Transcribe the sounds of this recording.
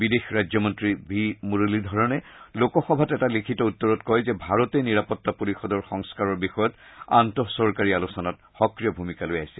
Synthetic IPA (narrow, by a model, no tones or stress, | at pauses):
bidexɹajzɔmɔntɹibʱimuɹulidʱɔɹɔnɛlokɔxɔbʱatɛtalikʰitɔutːɔɹɔtkɔjzɛbʱaɹɔtɛniɹapɔtːapoɹixɔdɔɹxɔŋskaɹɔɹbixɔjɔtantɔsɔɹkaɹialusɔnat | xɔkɹijɔbʱumikalojajsɛ̥